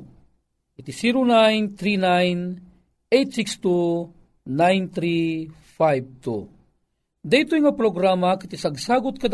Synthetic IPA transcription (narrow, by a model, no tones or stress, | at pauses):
kit̪isiɾonajnt̪ɾinajn | ejt̪sikst̪u | najnt̪ɾi | fajb̚t̪ṵ | d̪ɐjt̪ojŋapɾoɡɾamakit̪isɐɡsaːɡʊt̪̚kɐd̪